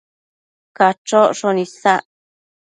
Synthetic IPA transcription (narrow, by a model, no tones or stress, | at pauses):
kat͡ʃoʂonĩsaʔ